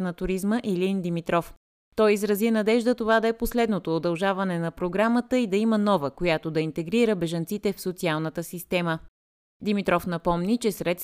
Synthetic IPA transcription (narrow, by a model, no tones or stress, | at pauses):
nɐt̪ʊɾizməʔilind̪imit̪ɾɔf | t̪ɔjizɾɐzinɐd̪ɛʒd̪ət̪ovad̪ɐɛposlɛd̪not̪oːd̪ɐlˠʒavɐnɛnɐpɾoɡɾamət̪əid̪ɐimənɔvəkojat̪od̪ɐint̪ɛɡɾiɾəbɛʒɐnt̪sit̪ɛfsot̪sialˠnət̪əsist̪ɛmə | d̪imit̪ɾɔfnɐpɔmnit͡ʃɛsɾɛt̪s